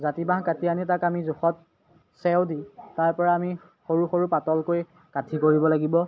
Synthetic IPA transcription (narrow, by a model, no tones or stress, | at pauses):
zatibãɦkatianitakamizuxɔt̚ | sɛwditaɹpɔɹaːmi | xoɹuxoɹupatɔlkoj | katʰikoɹibɔlaɡibɔ